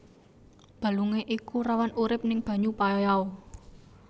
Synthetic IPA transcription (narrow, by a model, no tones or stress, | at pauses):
b̥ä̤luŋeʔikurawanuɾɪp̚nɪŋb̥ä̤ɲupajɔjao